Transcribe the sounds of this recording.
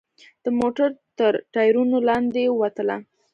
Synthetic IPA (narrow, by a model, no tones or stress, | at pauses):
d̪̥əmoʈaɾt̪əɾʈɑjɾunolɑnd̪ewat̪əla̰